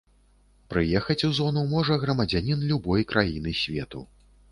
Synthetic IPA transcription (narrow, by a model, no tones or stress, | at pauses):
pɾɨjɛxɐt͡sʲuzɔnumɔʐɐɣɾɐmɐd͡zʲanʲinlʲubɔjkɾʔajinɨsʲvʲɛt̪ṵ